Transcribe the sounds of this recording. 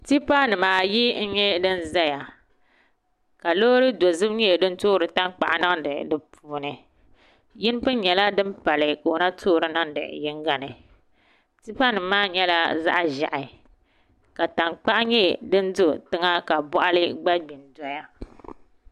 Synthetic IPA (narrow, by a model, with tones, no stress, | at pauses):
ti˦pa˦nɨ˨maː˨ji˦n̩˦ɲɛ˦dɨ˦nza˦ja˨ | ka˨lo˦ɾɨ˦do˨zɨ˦bɲɛ˦˨dɨ˦n˦toː˦ɾɨ˨ta˦ŋk͡pa̰˨ʔa˨nɨ˦ŋdɨ̰˨dɨ˨pʰuː˨nɨ˨ | jɪ˦n˦pɨ˦ɲɛ˨la˦dɨ˦mpa˨lɨ˨ko˨˦na˦tʰoː˦ɾɨ˦nɨ˦ŋdɨ̰˨jɪ˦ŋɡa˨nɨ˨ | ti˦pa˦nɨ˨maː˦ɲɛ˦la˦za̰˦ʔa˦ʒa̰˨ʔɪ˨ | ka˨ta˨ŋk͡pa˦ʔɲɛ˦dɨ˦n˦dʊ˦tɨ˦ŋa˦ka˨bɔ˦ʔa˦lɨ˦ɡ͡ba˦ɡ͡bi˨ndɔ˨ja˦